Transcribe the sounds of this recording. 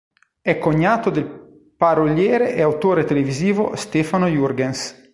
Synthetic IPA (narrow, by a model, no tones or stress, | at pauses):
ɛkːoɲːaːt̪od̪el | paɾoljɛːɾeʔeawt̪oːɾet̪eleviziːvost̪efanojurɡens